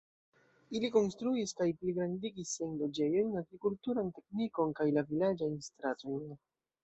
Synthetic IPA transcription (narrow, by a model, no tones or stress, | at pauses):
iliko̞nstɾuiskajpliɡɾandiɡisːajnlo̞d͡ʒe̞jo̞jnaɡɾikultuɾante̞kniko̞nkajlavilad͡ʒajnstɾato̞jn